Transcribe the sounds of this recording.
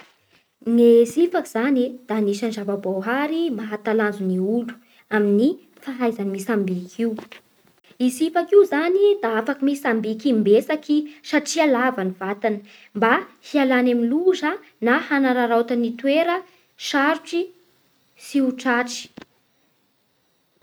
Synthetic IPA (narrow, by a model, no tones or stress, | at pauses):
ŋezifakiz̥anid̪̥aniʃanʈ͡ʂavabawɦaɾimaɦat̪aland͡zuniulu̥ | amini | faɦajzanimisambikʰiu | izifakiuzanid̪aafakimisambikimbesakiʃaʈ͡ʂialavanivat̪anə̥ | mbahialanamiluzə | nahanaɾaɾawt̪anit̪weɾə | ʃaɾuʈ͡ʂi | siuʈ͡ʂaʈ͡ʂi̥